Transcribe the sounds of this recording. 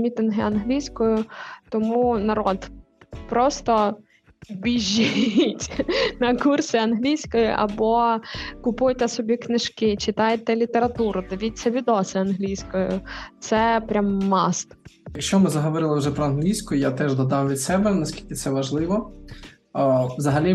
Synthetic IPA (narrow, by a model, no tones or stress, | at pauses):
mʲit̪ɪnɦɪɐnɦlʲijsʲkɔjʊt̪ɔmunɐɾɔd̪ | pɾɔst̪ɔ | bʲiʒʲːitʲnɐkursʲɪɐnɦlʲijsʲkɔjʊ̰ʔɐ̰bɔkʊpujt̪ɛsɔbʲiknɪʃkɪt͡ʃɪt̪ɑjt̪ɛlʲit̪eɾɐt̪uɾʊd̪eʋʲit̪̚ʲsʲɐʋʲid̪ɔsʲɪɐnɦlʲijsʲkɔjʊ̰t̪sɛpɾʲamːɑst̪jɐkʃt͡ʃɔmɪzɐɦɔʋɔɾɪlˠɪwʒɛpɾɔɐnɦlʲijsʲkʊjʊjat̪ɛʒd̪ɐd̪ɑmʋʲid̪sɛbɛnɐsʲkʲi̥lʲkʲɪt̪sɛʋɐʒlˠɪʋɔ | ʋzɐɦɐlʲi